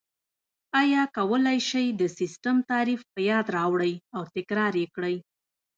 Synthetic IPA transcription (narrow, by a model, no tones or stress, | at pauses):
ɑjɑkawəlajʃajd̪əsɪsʈəmt̪ɑɾifpəjɑd̪ɾɑwɽəjawt̪ɪkɾɑɾekɽəj